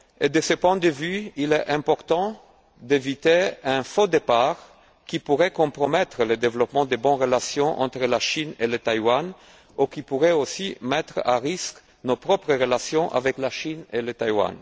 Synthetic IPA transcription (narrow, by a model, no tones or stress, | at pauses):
ed̪əsəpwɛ̃d̪əvyilɛʔɛ̃pɔʁt̪ɑ̃ | d̪evit̪eɛ̃fod̪epaʁ | kipuʁɛkɔ̃pʁɔmɛt̪ʁələd̪evlɔpmɑ̃d̪ebɔ̃ʁəlasjɔ̃ʔɑ̰̃t̪ʁəlaʃinelət̪ajwan | ukipuʁɛosimɛt̪χaʁisk | nopʁɔpʁəʁəlasjɔ̃ʔa̰vɛklaʃinelət̪ajwa̰n